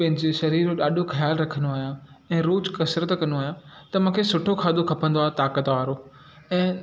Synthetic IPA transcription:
pɐ̃ɦɪ̃ɲd͡ʑeʃɐɾiːɾɗaːɗokʰɐjaːlɾɐkʰənd̪oaːja | ɛ̃ːɾoːd͡ʑkɐsɾət̪kɐ̃noaːɦjat̪ɐmũːkʰeːsʊʈʰokʰaːd̪okʰɐpə̃nd̪oaːet̪aːkət̪aːɾoː | ɛ̃ː

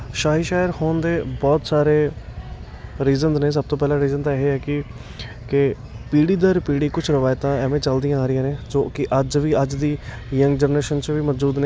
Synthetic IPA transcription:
ʃaːɦiːʃaːjəɾhoːnd̪eːbɔːt̪saːɾeː | ɾiːzənzneːs̬əb̚t̪õːpɛːlãːɾiːzənt̪aːɪɦeɛːkɪ | kɪ | piːɽiːd̪əːɾpiːɽiːkʊt͡ʃʰɾəʋaːjt̪ãːɛːʋẽːt͡ʃəld̪ɪjãːaːɾɪjãːneːd͡ʒoːkɪʔəd͡ʒʋiːəd͡ʒd̪iː | jəŋɡd͡ʒəɾnɾeːʃənt͡ʃʋiːməːd͡ʒuːd̪neː

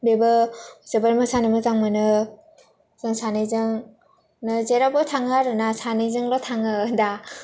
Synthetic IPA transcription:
bebɯzebaɾmɯsanɯmɯzaŋmɯnɯ | zɯŋsanɯzɯŋ | nɯzeɾabɯtʰaŋɯaɾɯnasanɯjzɯŋlɔtʰaŋɯda

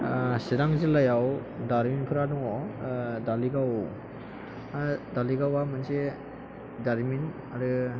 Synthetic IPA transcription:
sidaŋzɯlajawdaɾminpʰɯɾadɔŋɔdaliɡaw | daliɡawamanse | daɾmin | aɾɯ

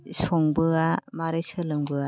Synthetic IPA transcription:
sɔŋbɯamaɾɯsɯlɯŋbɯa

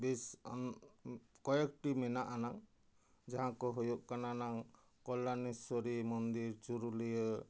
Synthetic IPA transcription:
bes | kɔjekʈimɛnaʔanaŋ | d͡ʒaɦãkɔɦɔjɔʔkananaŋ | kɔlːanisɔɾimɔnd̪iɾt͡ʃuɾulijɔ

